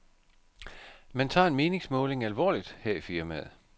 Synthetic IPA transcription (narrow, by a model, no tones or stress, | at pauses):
mænt͡sʰɑ̰̈ːe̝nme̝ːne̝ŋsmɔ̽ːle̝ŋælʋɒ̰ːlid̥hæɐ̰ifiɐmæð̩ˠ